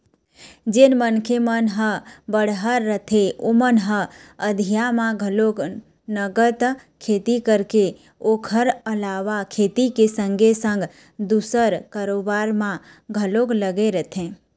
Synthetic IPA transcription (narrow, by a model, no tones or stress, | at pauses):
d͡ʒenmənkʰemənɦəbəɽ̤ɦəɾːət̪ʰeomənɦəəd̪ʱijamãɡʱəlok | nəɡət̪ | kʰeːt̪ikəɾke | okʰəɾəlaʋakʰeːt̪ikesə̃ŋɡʱesə̃ŋɡ | d̪usəɾkaɾobaɾmã | ɡʱəlokləɡeɾət̪ʰẽ